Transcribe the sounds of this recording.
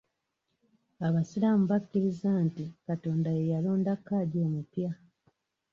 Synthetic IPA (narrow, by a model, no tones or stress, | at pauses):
aβasilamuβakːiɾizantikato̞ːndajejalo̞ːndakːaɟoːmupja